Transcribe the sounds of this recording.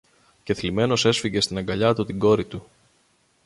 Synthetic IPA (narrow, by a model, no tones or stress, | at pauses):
ce̞θlime̞no̞se̞sfiʝe̞st̪inɐŋɡɐʎɐt̪ut̪iɡo̞ɾit̪u